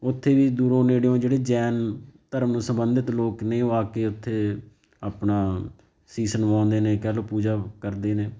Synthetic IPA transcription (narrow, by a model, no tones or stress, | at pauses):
ʊt̪ʰːeːʋiːd̪uːɾõːneːɽeõːd͡ʒeːɽeːd͡ʒɛːnt̪əɾəmsəmbənd̪ət̪loːkneːoːaːkeːʊt̪ʰːeː | aːpnaː | siːsənʋãːnd̪eːneːkɛːloːpuːd͡ʒaːkəɾd̪eːneː